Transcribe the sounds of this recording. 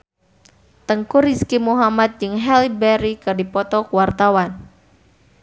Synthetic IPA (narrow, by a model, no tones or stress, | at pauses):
t̪əŋkuriskimuɦamat̪̚d͡ʒɨŋɦɛlibɛɾikadipɔt̪ɔkuwart̪awan